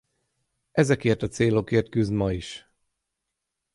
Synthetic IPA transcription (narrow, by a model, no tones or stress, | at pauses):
ʔɛzɛkeːrt̪ɒt̪seːlo̞keːrt̪̚kyzmɒiʃ